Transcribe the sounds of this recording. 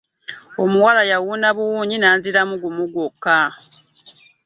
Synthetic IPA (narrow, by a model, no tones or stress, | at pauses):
omuwalajawuːnaβuwuːɲinaːnziɾamuɡumuɡokːa